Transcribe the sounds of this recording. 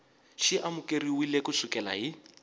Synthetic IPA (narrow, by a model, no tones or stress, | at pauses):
ʃiʔamʊkʼeriwilekusukɛla̰ɦi